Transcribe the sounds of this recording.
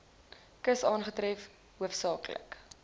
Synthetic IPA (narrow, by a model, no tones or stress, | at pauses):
kəsɑːnχətɾɛf | ɦuəfsɑːklə̰k